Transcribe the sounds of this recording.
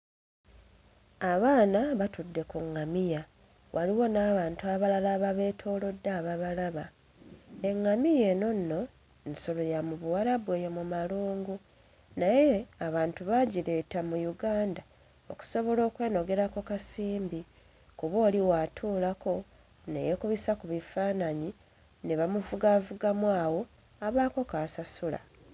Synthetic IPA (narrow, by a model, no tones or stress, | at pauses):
aβaːnaβatudːe̞kuŋːamija | wʔaliwo̞naːβaːntuaβalalaβaβe̞ːtʰo̞ːlo̞dːaːβaβalaβa | e̞ŋːamije̞no̞nːo̞ | nso̞lo̞jamuβuwaɾaβwe̞ːjomumaluːŋɡu | naje̞aβaːntuβaɟiɾe̞tamujuɡaːnda | o̞ku̥so̞βo̞lo̞ːkwe̞ːno̞ɡe̞ɾako̞kasiːmbi | kuβo̞ːliwaːtʰuːlako̞ | ne̞̰jekuβisakuβifaːnaɲi | ne̞βamuvuɡavuɡamwaːwo̞ | aβaːko̞kaːsasula̰